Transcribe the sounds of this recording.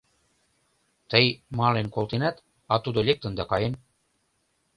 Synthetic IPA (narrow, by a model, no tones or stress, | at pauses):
t̪əjmɑlenkolˠt̪enæt̪ | ɑt̪ud̪olek̚t̪ə̆nd̪ɑkɑjen